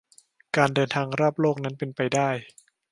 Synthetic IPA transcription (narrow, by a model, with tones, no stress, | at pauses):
kaː˧ndɤː˧nt̪ʰaː˧ŋɾaː˥˩p̚loː˥˩k̚na˦˥npe˧npa˧jdaː˥˩j